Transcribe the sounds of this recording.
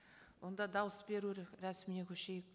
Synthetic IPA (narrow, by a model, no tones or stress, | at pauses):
wo̞nd̪ɑd̪ɑwəsbe̞ɾuɾɾæsminekʲʰɵʃe̞jk̚